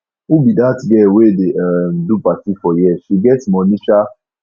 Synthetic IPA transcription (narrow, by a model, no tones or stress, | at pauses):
ubidatɡɛwedemdupatifɔjɛʃiɡɛtmɔ̃nĩʃa